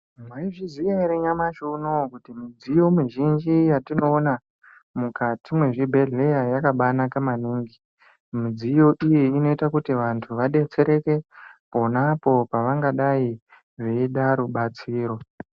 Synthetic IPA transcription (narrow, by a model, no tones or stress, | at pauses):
mwaiʐizwiaiɾeɲamaʃunokutimid͡zijo̞miʒind͡ʒijatino̞ːna | mukatimwe̞ʐibʱeɮejajakaɓanakamaniːŋɡi | mid͡zijo̞ʔijiino̞itakutiʋantʰuʋaɗe̞t͡se̞ɾe̞ke̞po̞napo̞paʋaŋɡaɗai | ʐeiɗaɾuɓat͡siːɾo̞